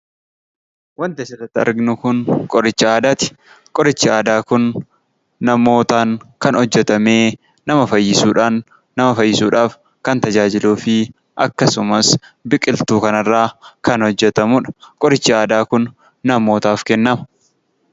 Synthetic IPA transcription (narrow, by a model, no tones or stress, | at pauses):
wɐnt̪ɪɐʃɐrɐt̪ːɪɐ̰ɾɡɪnʊkʊnkʼɔɾɪt͡ʃːɪaːd̪aːt̪ɪ̥ | kʼɔɾɪt͡ʃːɪaːd̪aːkʊnː | ɐmo̞ːt̪aːŋkɐnhɔd͡ʒːɛt̪ɐme̞ː | nɐmɐfɐjːɪsuːᶑaːnː | ɐmɐfɐjːɪsuːᶑaːf | kɐnt̪ɐd͡ʒaːd͡ʒɪluːfɪ | ʔɐkːɐsʊmɐsbɪkʼɪlt̪uːkɐnɐrːaːkɐnhɔd͡ʒːɛt̪ɐmuᶑɐ̥kʼɔɾɪt͡ʃːɪaːd̪aːkʊnː | ɐmo̞ːt̪aːfkɛnːɐmɐ̥